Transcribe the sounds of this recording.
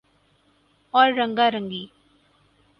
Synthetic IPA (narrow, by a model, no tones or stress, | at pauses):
ɔːɾːə̃ŋɡaɾəŋɡiː